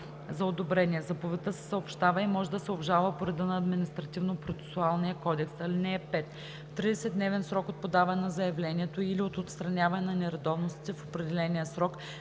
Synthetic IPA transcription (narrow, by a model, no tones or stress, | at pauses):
zɐod̪obɾɛnʲiɛzɐpovɛt̪əsɛ̥səopʃt̪avəimɔʒɛd̪ɐsɛobʒalˠvəpoɾɛd̪ənɐːd̪minist̪ɾɐt̪ivnopɾot̪sɛ̥sualˠnijəkɔd̪ɛksɐlinɛɛpɛt̪ | t̪ːɾid̪ɛsɛd̪nɛvɛnsɾɔkot̪̚pod̪avɐnɛnɐzɐjɐvlɛnʲiɛt̪oiliot̪ot̪st̪ɾɐnʲavɐnɛnɐnɛɾɐd̪ɔvnost̪i̥t̪ɛfopɾɛd̪ɛlɛnʲijəsɾɔk